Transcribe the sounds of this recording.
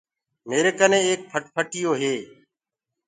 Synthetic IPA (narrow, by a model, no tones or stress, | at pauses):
meːɾeːkənẽːeːk̚pʰəʈ̚pʰəʈɪjoːɦeː